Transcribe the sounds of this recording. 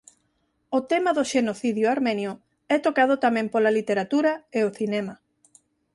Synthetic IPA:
ot̪emaðoʃenoθiðjʊaɾmẽnjʊ | ɛt̪okað̞ʊt̪amɛ̃mpolalit̪eɾat̪uɾɐeoθinɛmɐ

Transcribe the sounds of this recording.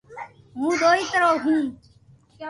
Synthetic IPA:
ɦũːd̪oːiːt̪əɾoːɦũː

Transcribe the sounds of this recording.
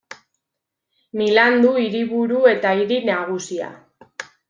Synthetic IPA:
miland̪uiɾiβuɾue̞t̪aiɾinaɣ̞usia̰

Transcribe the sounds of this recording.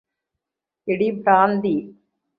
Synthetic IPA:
ɛɽipɾaːnd̪i

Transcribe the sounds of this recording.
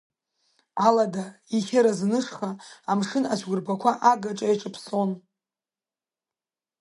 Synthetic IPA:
aladaiχʲaɾaznɨʂχaːmʂɨnat͡ʃʷʰɡʷʊrbakʷʰaʔaɡaʈ͡ʂʼajʈ͡ʂʼɨpʰso̞n

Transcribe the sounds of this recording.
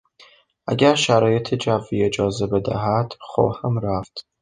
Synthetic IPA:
ʔæɡæɾʃæɾɒːjet̪ʰed͡ʒævːiːed͡ʒɒːzebed̪æ̰ɦæd̪̥χɔ̰ːhæmɾæft̪

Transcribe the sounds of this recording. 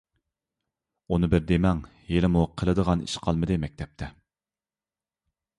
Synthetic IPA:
unɨbɪɾd̪emɛŋ | jelɪmuqʰəlˠɨd̪əʁɑnḭʃqʰɑlˠmɨd̪ɨmɛk̚ʲt̪ʰɛp̚t̪ʰɛ

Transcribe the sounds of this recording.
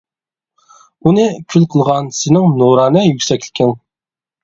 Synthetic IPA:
unɨkʲʰylqʰəlˠʁɑnsɪnɪŋnoɾɑːnɨjykʲsɛkʲʰlkʲʰɛn

